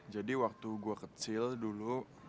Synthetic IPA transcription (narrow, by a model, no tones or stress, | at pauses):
d͡ʒadiwak̚t̪uɡuakət͡ʃɪldulu